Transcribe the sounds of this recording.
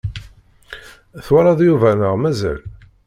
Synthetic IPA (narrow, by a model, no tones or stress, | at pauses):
θwaɾˤɑðjuvænəʁmæzæ̰l